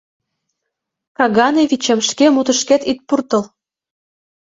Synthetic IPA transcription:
kɑɣɑneβit͡ɕemʃkemut̪ə̆ʃket̪it̪̚purt̪əl

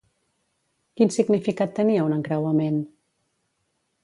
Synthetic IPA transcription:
kinsiɡnifikat̪ːəniəunəŋkɾawəmen

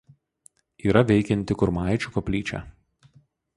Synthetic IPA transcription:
iːɾɐʋʲɛɪkʲɛnʲt̪ʲɪkʊɾmɑˑɪt͡ʃʲʊkɐpʲlʲiːt͡ʃʲæ̰

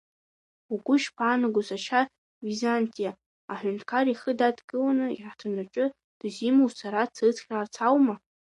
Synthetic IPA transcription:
uɡʷʊʃpʰaːnaɡʷʊzaʃa | vizantʼijaː | ħʷᶣʊntʰkʰariχədadɡɨlanɨḭħtʰanaʈ͡ʂʷʼʊ | d̥zimowsaɾat͡sʰat͡sʰχʲrart͡sʰawma

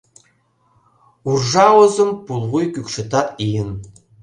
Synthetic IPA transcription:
urʒɑwozɤ̆mpulˠʁujkykʃɘ̆t̪ɑijə̆n

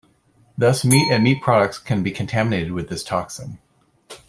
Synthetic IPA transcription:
ðʌsmiɾɨ̃nmit̚pʰɹ̥ɑɾək̚tskʰɨ̃nbikʰɨ̃n̩tʰæmɨneɪɾɨd̚wɨðɪstʰɑksɪ̃n

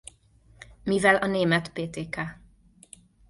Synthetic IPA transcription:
mivɛlʔɒneːmɛt̪peːt̪eːkæ

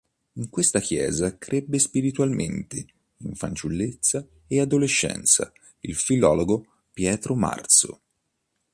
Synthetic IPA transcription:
iŋkwest̪akjɛ̰ːzakɾʔebːespiɾit̪walment̪e | iɱfant͡ʃulːet̪sːa | ead̪oleʃːɛ̰nt̪sa̰ | ilfilɔːloɡo | pjɛːt̪ɾoma̰rt̪so̰

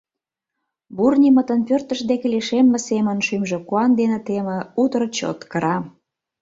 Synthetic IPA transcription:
burnʲimə̆t̪ə̆npørt̪ə̆ʃd̪ekeleʃemːĕsemə̆nʃymʒĕkuɑnd̪enĕt̪emə̆ut̪əɾt͡ɕo̰t̪kə̆ɾɑ

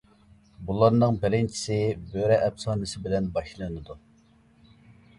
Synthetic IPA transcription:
bulˠɑɾnɨŋbɪɾɪnt͡ʃʰi̥sɪbøɾɛʔɛbsɑːnɨsɪbɪlɛnbɑʃlˠɨnɨd̪u

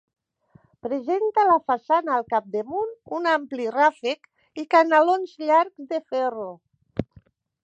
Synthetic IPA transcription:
pɾezent̪alafasanaːlˠkap̚d̪emununamplirafek | ikanalonzʎaɾkzd̪efɛro

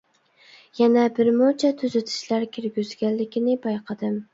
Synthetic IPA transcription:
jɛnɛbɪɾmʊt͡ʃʰɛt̪ʰyzɪt̪ʰɪ̥ʃlæɾkʲʰɪɾɡʲyz̥ɡʲɛllɪkʲinɪbɑjqʰɑd̪ɪm

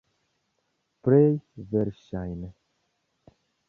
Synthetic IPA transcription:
pɾejveɾʃajnə

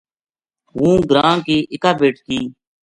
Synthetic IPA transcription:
ɦũːɡɾãːkiːʔɪkaːbeːʈk̪iː

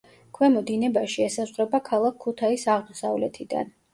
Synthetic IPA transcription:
kʰwɛmɔd̪inɛbaʃiɛsazʁɾɛbakʰalˠakʰːut̪ʰaisaʁmɔsa̰vlɛ̰t̪ʰid̪a̰n

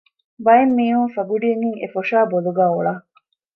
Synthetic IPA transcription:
bɐjemːiːɦuŋfɐɡuɖijeŋiŋḛfoʂaːboluɡæːoɭɐ

